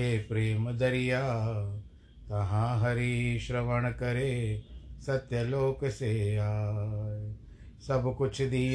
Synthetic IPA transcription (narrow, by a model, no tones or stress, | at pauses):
eːpɾeːmd̪ɐɾijaː | t̪ɐɦãːɦɐɾiʃɾɐʋəɳ̃kɐɾeːsɐt̪jɐloːkseaː | sɐbkʊt͡ʃʰd̪i